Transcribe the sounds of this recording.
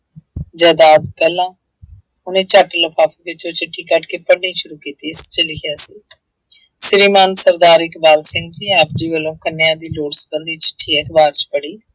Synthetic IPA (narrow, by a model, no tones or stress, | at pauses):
d͡ʒɛːd̪aːd̪pɛːlːãː | ʊnẽːt͡ʃəʈləpʰaːpʰiːbɪt͡ʃõːt͡ʃɪʈʰːiːkəʈkeːpəɽnĩːʃʊɾuːkiːt̪iːst͡ʃəlɪkʰjaːsiː | sɪɾiːmaːnsəɾd̪aːɾɪkbaːlsɪ̃ŋɡd͡ʒiːaːp̚d͡ʒiːʋəlõːkənːejãːd̪iːloːɽsbəldiːt͡ʃɪ̥ʈʰːiːɛkʰbaːɾt͡ʃpəɽiː